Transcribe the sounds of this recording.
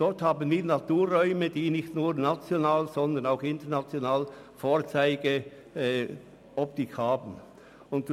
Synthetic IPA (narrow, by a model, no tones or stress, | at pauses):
d̥ɔʁthaːbən̩viːnatuːɾːɔʏməd̥iːnɪxtnuːɾnat͡sjonaːlzɔnd̪ənaʊxɪntəɐnat͡sjonaːl | foːɾt͡saɪɡə | ʔɔp̚tɪkhaːbn̩ | ʊnt